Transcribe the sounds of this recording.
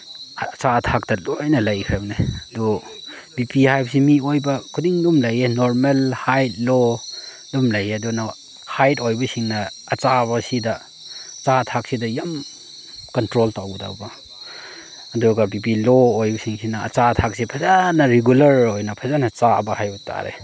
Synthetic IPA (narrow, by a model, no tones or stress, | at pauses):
t͡ʃatʰak̚tɐlojnɐlɐjkʰabneɐdu | bipihajbsimiojbɐkʰudiŋdumlɐjenoɾmelhajt̚lo | dumlɐjeɐdunɐ | hajtojbɐsiŋnɐːt͡ʃabɐsidɐ | t͡ʃatʰak̚sidɐjam | kɐntɾoltawɡda̰wbɐ | ɐduɡɐbipiloojbɐsiŋsinɐ̰ːt͡ʃatʰak̚sipʰɐzanɐɾiɡulɐɾojnɐpʰɐzanɐt͡ʃabɐhajbuta̰ɾḛ